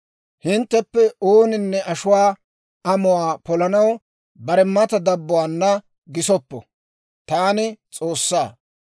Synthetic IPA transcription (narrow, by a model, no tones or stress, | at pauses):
hɪnt̪ːɛpːɛoːnɪnːɛʔɐʃʊwaː | ɐmʊwaːpɔlɐnɐw | bɐɾɛmːɐt̪ɐd̪ɐbːʊwaːnːɐ | ɡɪsɔpːɔ̰ | t̪aːnɪt͡sʼoːsːaː